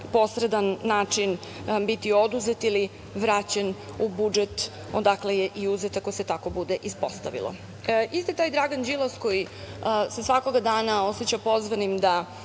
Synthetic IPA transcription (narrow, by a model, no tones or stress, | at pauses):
po̞sɾed̪anːaːt͡ʂin | bit̪io̞d̪uzet̪ili | ʋɾat͡ɕenubud͡ʒet̪ | od̪aklejeʔiuzet̪ako̞jse̞t̪ako̞bud̪eʔispo̞st̪a̰ʋḭlˠo̰ | ist̪it̪aːjd̪ɾaːɡand͡ʒilˠosko̞jisesʋako̞ɡad̪aːnaoset͡ɕapo̞zʋanimd̪a